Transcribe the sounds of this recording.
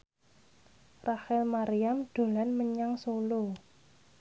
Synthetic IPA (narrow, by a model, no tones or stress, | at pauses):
rahɛlmaɾijamɖ̪̥o̤lanməɲaŋsolo